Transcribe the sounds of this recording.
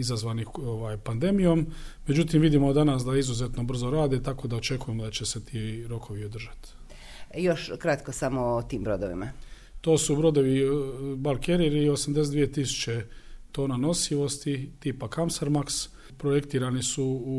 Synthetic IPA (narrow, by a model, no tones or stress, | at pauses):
izazʋanixoʋaːjpand̪e̞mijo̞mme̞d͡ʒut̪imʋid̪imod̪anasd̪aizuzet̪no̞br̩zoɾaːd̪et̪ako̞d̪aot͡ʃe̞kuje̞mod̪at͡ɕe̞set̪ʰiːɾo̞kʰo̞ʋiod̪r̩ʒat̪ | joʃkɾat̪kosamot̪iːmbɾod̪oʋḭma̰ | t̪o̞ːsubɾo̞d̪o̞ʋibalˠkeɾiɾio̞samd̪es̬ed̪ʋijet̪isu̥t͡ʃe̞t̪o̞ːnano̞siʋo̞st̪it̪iːpakamsaɾmaks | pɾoje̞kt̪iːɾanisuu